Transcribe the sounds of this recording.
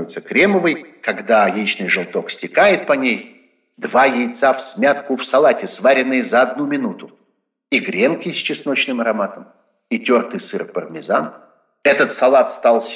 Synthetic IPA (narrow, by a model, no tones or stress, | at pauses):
jʊt̪səkɾʲeməvɨjkɐɡd̪ajijt͡ɕnɨjʐɨlˠt̪o̞ksʲtʲɪkajɪt̪̚pɐnʲej | d̪vajɪjt̪safsʲmʲat̪kʊfsɐlˠatʲɪsvaɾʲɪnːɨjəzɐɐd̪numʲɪnut̪ʊ | iɡɾʲenkʲɪjsʲt͡ɕɪsnot͡ɕnɨmɐɾɐmat̪əm | itʲort̪ɨjsɨrpərmʲɪzan | ɛt̪ət̪sɐlˠat̪st̪alˠsʲ